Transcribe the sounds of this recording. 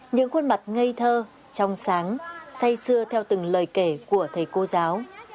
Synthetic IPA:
ɲɨ̰˧˥ŋxwə˧nma˨˩t̚ŋə˧jt̪ʰəː˧ | t͡ɕɔ˧wŋ͡msaː˨˦ŋsa˧jsɨ˧ət̪ʰɛ˧wt̪ɨ˨˩ŋləː˨˩jke˧˩ku˧˩ət̪ʰə˨˩jko˧zaː˨˦w

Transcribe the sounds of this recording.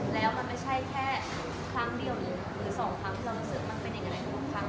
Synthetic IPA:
lɛː˦˥wma˧nma˥˩jt͡ɕʰa˥˩jkʰɛː˥˩ | kʰɾa˦˥˩ŋdi˧əwni˨˩ | ɾɯː˩˦sɔː˩˦ŋkʰɾa˦˥ŋkʰlɯː˥˧˩u˦˥sɯ˨˩k̚ma˧npe˧nja˨˩ŋa˧jʰa˥˩kʰa˦˥ŋ

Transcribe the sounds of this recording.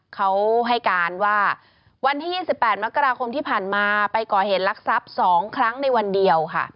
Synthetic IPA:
kʰa˦˥wɦa˥˩jkaː˧nwaː˥˩ | wa˧nt̪ʰiː˥˩jiː˥˩si˨˩pːɛː˨˩t̪̚ma˦˥kːa˧ɾaː˧kʰo˧mt̪ʰiː˥˩pʰaː˨˩nmaː˧pa˧jkɔː˨˩he˨˩˦t̪̚la˦˥k̚sa˦˥p̚sɔː˩˦ŋkʰɾa˦˥ŋna˧jwa˧ndi˧əwkʰa̰˥˩

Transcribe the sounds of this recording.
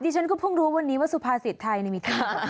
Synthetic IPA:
diː˧˩t͡ɕʰa˦˥nkʰɔː˥˩pʰu˥˩ŋɾuː˧˦wa˧nːiː˦˥waː˥˩su˧pʰaː˧si˨˩t̪ʰːa˧jna˧jmiː˧t̪ʰa˧˩

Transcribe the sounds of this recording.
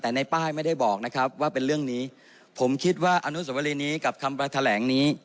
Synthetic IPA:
t̪ɛː˨˩na˧jpaː˥˩jma˥˩jda˥˩jbɔː˨˩k̚na˦˥kʰɾa˦˥p̚waː˥˩pe˧nɾɯ˥˩əŋniː˦˥ | pʰo˩˦mkʰi˦˥t̪̚waː˥˩ʔa˧nu˦˥s̬o˩˦wa˧liː˧niː˦˥ka˨˩p̚kʰa˧mpɾaː˧t̪ʰa˧lɛː˩˦ŋniː˦˥

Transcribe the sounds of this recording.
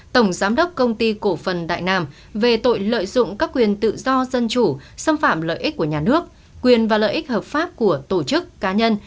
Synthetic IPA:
t̪ə˧˩wŋ͡mzaː˨˦mɗə˦˥wk͡p̚kə˧wŋ͡mt̪i˧ko˧˩fə˨˩nɗa̰ː˧˨jnaː˧m | ve˨˩t̪o̰˧˨jlə̰ː˧˨jzʊ̰˧˨ŋ͡mkaː˦˥kːwi˨˩ənt̪ɨ̰˧˨zɔ˧zə˧nt͡ɕu˧˩sə˧mfaː˧˨mlə̰ː˧˨jʔi˦˥k̟̚kːu˧˩əɲaː˨˩nɨ˦˥ək̚ | kwi˨˩ənvaː˨˩lə̰ː˧˨jʔi˦˥k̟̚həː˨˩p̚faː˦˥p̚ku˧˩ət̪o˧˩t͡ɕɨ˦˥kːaː˨˦ɲə˧n

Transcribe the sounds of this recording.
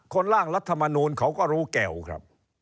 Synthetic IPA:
kʰo˧nɾaː˥˩ŋɾa˦˥t̪ʰːa˧ma˧nuː˧nkʰa˦˥wkɔː˥˩ɾuː˦˥kɛ˨˩wkʰɾa̰˦˥p̚

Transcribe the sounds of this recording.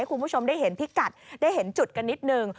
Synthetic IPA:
jxu˧mu˨˦˥so˧wŋ͡mɗa˧˩jɦe˨˦nt̪ʰi˦˥t̚ka˨˩t̚ɗa˧˩jhe˨˩˦nt͡ɕu˨˩t̚ka˧ni˦˥t̚nəː˧ŋ

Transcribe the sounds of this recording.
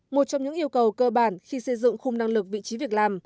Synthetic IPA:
mo˨˩t̚t͡ɕɔ˧wŋ͡mɲɨ̰˧˥ŋʔi˧əwkə˨˩wkəː˧ɓaː˧˩nxi˧sə˧jzɨ̰˧˨ŋxʊ˧ŋ͡mna˧ŋlɨ˨˩k̚vḭ˧˨t͡ɕi˨˦vi˨˩ək̚laː˨˩m

